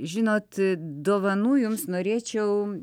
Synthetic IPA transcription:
ʒʲɪnoːt̪d̪oːʋɐnuːjʊmsnoːɾʲeːt͡ʃʲɛʊ

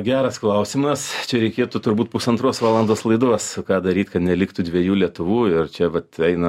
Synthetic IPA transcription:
ɡʲæːɾɐsklˠɐʊsʲɪmɐst͡ʃʲɛɾʲɛɪkʲeːt̪ʊt̪ʊɾbuːt̪̚pʊsɐnt̪ɾoːsʋɑːlˠɐnd̪oːslˠɐɪd̪uɔskɑːd̪ɐɾʲiːt̪ʲkɐt̪nʲɛlʲɪkt̪ʊd̪ʲʋʲiɛjuːlʲiɛt̪ʊʋuːɪrt͡ʃʲɛʋɐt̪ɛɪnɐ

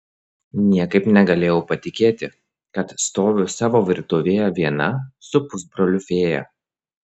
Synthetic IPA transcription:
nʲiɛkɐɪpnʲɛɡɐlʲeːjɛʊpɐt̪ʲɪkʲeːt̪ʲɪ | kɐt̪st̪oːʋʲʊsɑːʋoːʋʲɪɾt̪ʊʋʲeːjɛʋʲiɛnɐsʊpʊsbɾɔlʲʊfʲeːjɛ̰

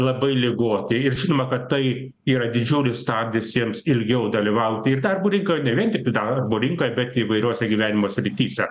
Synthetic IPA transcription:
lˠɐbɐɪlʲɪɡoːt̪ʲeɪɾʒʲɪnoːmɐkɐttɐɪ | iːɾɐd̪ʲɪd͡ʒʲuːlʲɪst̪ɑːd̪ʲɪɪsjiɛmsɪlʲɡʲɛʊd̪ɐlʲɪʋɐʊt̪ʲɪɪrd̪ɐrbʊɾʲɪŋkoːjnʲɛʋʲiɛnt̪ʲɪk̚t̪ʲɪd̪ɐrboːɾʲɪŋkoːjɛbʲɛt̪ɪʋɐɪɾʲoːsʲɛɡʲiːʋʲæːnʲɪmoːsʲɾʲɪt̪ʲiːsʲɛ

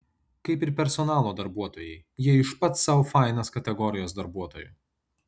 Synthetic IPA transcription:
kɐɪpɪɾpʲɛɾsɔnɑːlˠoːd̪ɐɾbuɔt̪oːjɛɪjiɛɪʃpɐt̪sɐʊfɑˑɪnɐskɐt̪ʲɛɡɔɾʲɪjoːs̬d̪ɐɾbuɔt̪oːjʊ̰ˑ

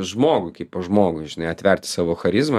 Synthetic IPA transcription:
ʒmoːɡʊɪkɐɪppoːʒmoːɡʊʒʲɪnɐɪɐt̪ʲʋʲɛɾʲt̪ʲɪ̥sɑːʋoːxɐɾʲɪzmɐ

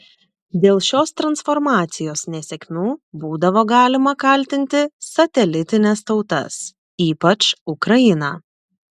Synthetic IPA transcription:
d̪ʲeːlˠʃʲoːst̪ɾɐnsfɔɾmɑːt̪sʲɪjoːsnʲɛsʲɛkʲmʲuːbuːd̪ɐʋoːɡɑːlʲɪmɐkɐlʲt̪ʲɪnʲt̪ʲɪsɐt̪ʲɛlʲɪt̪ʲɪnʲɛst̪ɒʊt̪ɐ̰s | iːpɐt͡ʃʊkɾɐjɪnɑː

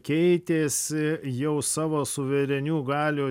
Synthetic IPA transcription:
kʲɛɪt̪ʲeːsʲɪjɛʊsɑːʋoːsʊʋʲɛɾʲɛnʲuːɡɑːlʲuː

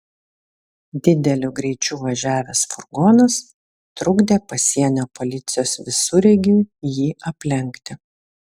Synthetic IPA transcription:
d̪ʲɪd̪ʲɛlʲʊɡɾʲɛɪt͡ʃʲuːʋɐʒʲæːʋʲeːsfʊɾɡoːnɐs | t̪ɾʊɡd̪ʲeːpɐsʲiɛnʲoːpolʲɪt̪sʲɪjoːsʋʲɪsʊɾʲɛɡʲuːjiːɐpʲlʲɛŋʲkt̪ʲɪ

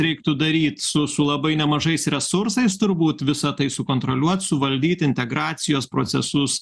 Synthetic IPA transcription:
ɾʲɛɪkt̪ʊd̪ɐɾʲiːt̪sʊsʊlˠɐbɐɪnʲɛmɐʒɐɪsɾʲɛsʊɾsɐɪst̪ʊɾbuːt̪ʋʲɪsɐt̪ɐɪsʊkoːnt̪ɾolʲuɔt̪sʊʋɐlʲd̪ʲiːt̪ɪnʲt̪ʲɛɡɾɑːt̪sʲɪjoːspɾo̰ːsʲɛ̰sʊs

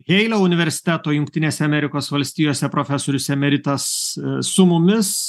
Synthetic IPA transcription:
ɣʲɛɪlʲoʊnʲɪʋʲɛɾʲsʲɪ̥t̪ʲæːt̪oːjʊŋkt̪ʲɪnʲeːsʲɛɐmʲɛɾʲɪkoːsʋɐlʲsʲt̪ʲiːjoːsʲɛpɾoːfʲɛsoːɾʲʊsʲɛmʲɛɾʲɪt̪ɐsːʊmʊmʲɪs

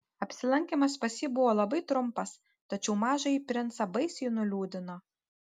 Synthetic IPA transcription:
ɐpʲsʲɪlˠɐŋʲkʲemɐspɐsʲiːbʊʋoːlˠɐbɐɪt̪ɾʊmpɐs | t̪ɐt͡ʃʲɛʊmɑːʒɐipʲɾʲɪnt̪sɐbɐɪsʲɪnʊlʲuːd̪ʲɪno

